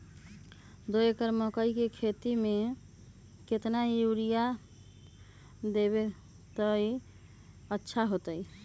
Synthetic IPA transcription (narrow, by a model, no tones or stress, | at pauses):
d̪oekəɾmɔkəjkekʰet̪ime | ket̪najuɾija | d̪eβe | t̪əi | ətːʃʰaɦot̪əj